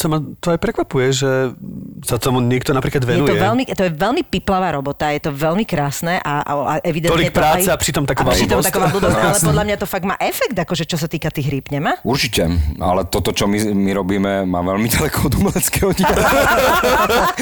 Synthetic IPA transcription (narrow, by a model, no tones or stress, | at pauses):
samat̪ɔajpɾɛkʋapujɛʒɛ | sat̪ɔmuɲɛkt̪ɔnapɾiːklad̪ʋɛjɛnuj̪t̪ɔɛʋɛlmit̪ɔjɛʋɛlmipiplaʋaːɾɔbɔt̪ajɛt̪ɔʋɛlmikɾaːsnɛʔa̰a̰a̰ʔɛʋid̪ɛnɔliɲɛkpɾaːt͡sɛapɾit̪ɔmt̪akɔʋaɾid̪ɔmt̪akɔʋalud̪ɔlɛpɔd̪lamɲat̪ɔfaɡma̰ːʔɛfɛkd̪akɔʒɛt͡ʃɔsat̪iːkat̪iːɣɦɾiːpɲɛmauɾt͡ʃicɛa̰lɛt̪ɔt̪ɔt͡ʃɔmimiɾɔbiːmɛma̰ʋɛlmiɟalɛkʰɔɔd̪umɛlɛt͡skɛɔɲi